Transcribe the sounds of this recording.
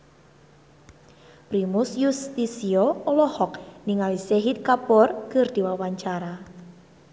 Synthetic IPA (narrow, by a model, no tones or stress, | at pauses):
pɾimʊsjust̪isiɔolɔhɔk̚niŋaliseɦit̪̚kapɔrkərd̪̥i̤wawaɲt͡ʃaɾa